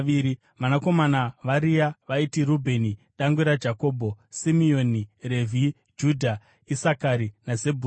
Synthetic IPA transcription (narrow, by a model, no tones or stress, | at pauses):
iɾi | ʋanako̞manaʋaɾijaʋaitirubʱe̞niɗaŋɡuɾad͡ʒako̞ːbʱo̞simio̞nire̞vʱi | d͡ʒudʱa | isakaɾinazebʱu